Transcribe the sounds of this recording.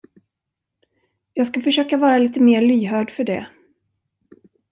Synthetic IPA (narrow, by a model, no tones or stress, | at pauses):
jɑːɡskafœʂøːkavɑːɾaliːt̪əmeːɭyːɦœːɖfœɖɛ̰